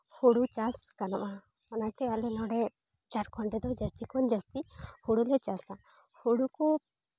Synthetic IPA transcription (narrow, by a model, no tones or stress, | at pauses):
hoɽut͡ʃaskanɔ̰ʔa | ɔnakɛalɛnɔɽɛ | t͡ʃaɾkʰɔɳɖɛd̪ɔd͡ʒəst̪ikɔnd͡ʒast̪ihuɽulɛt͡ʃasa | hoɽuku